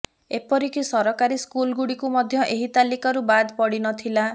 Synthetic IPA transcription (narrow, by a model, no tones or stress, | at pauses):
epɔɾikisɔɾɔkaɾiskulɡuɽikumɔd̪ʱjɔʔeɦit̪alikɔɾubad̪pɔɽinɔt̪ʰila